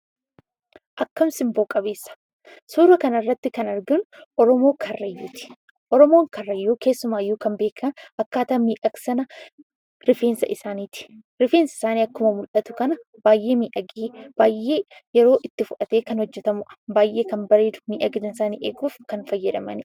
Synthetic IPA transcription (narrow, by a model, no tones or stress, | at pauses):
ʔɐkːɐmsɪmboːkʼɐbe̞ːsːɐ̥ | suːɾɐkɐnɐrːɐt̪ːɪkɐnɐɾɡɐnʊʔɔɾɔmo̞ːkʰɐrːɐjːuːt̪ɪ̥ | ʔɔɾɔmo̞ːŋkɐrːɐjːoːke̞ːsːʊmaːjoːkɐmbeːkʰɐnɐkːaːt̪ɐmiːʔɐksɐnɐ | ɾɪfe̞ːnsɐ̰ʔɪsaːniːt̪ɪ̥ | ɾɪfeːnsɐɪsaːniːɐkːʊmɐmʊlʔɐt̪ʊ̥kɐnɐ | b̥aːjʔe̞ːmiːʔɐɡiːb̥aːjʔe̞ːjɛɾo̞ːʔɪt̪ːɪfʊʔɐt̪e̞ːkɐnhɔd͡ʒːɛt̪ɐmʊʔɐ̥baːjʔe̞ːkɐmbɐɾeːd̪ʊ̥miːʔɐɡd̪ɐnɪsaːnḭːʔeːɡuːfkɐnfɐjːɐᶑ̪ɐmɐ̰nɪ